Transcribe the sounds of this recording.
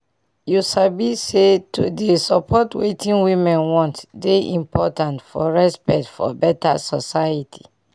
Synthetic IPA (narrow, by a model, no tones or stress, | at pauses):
juʃabisetʰudesɔpʰɔtwetʰĩnwĩmɛ̃nwɔ̃ntdeʔḭ̃mpɔtãntfɔɹɛspɛktfɔ̰bɛta̰sɔsajitʰi̥